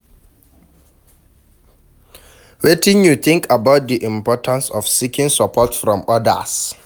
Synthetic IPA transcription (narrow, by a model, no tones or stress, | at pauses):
wetɪ̃njuθɪ̃ŋkʰabaʊt̚diʔĩmpʰɔtʰãnsɔfsikʰĩŋsəpʰɔtfɹɔ̃mɔdə̰s